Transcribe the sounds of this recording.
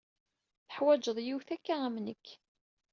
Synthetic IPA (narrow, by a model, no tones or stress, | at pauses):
θə̥ħwæd͡ʒəðˤjiwθækːaæmnəkː